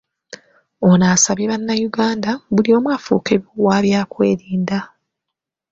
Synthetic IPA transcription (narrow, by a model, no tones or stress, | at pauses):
onaːsaβiβanːajuɡaːndaβulio̞ːmwaːfṵːkeβowaːβjaːkwe̞ːɾiːnda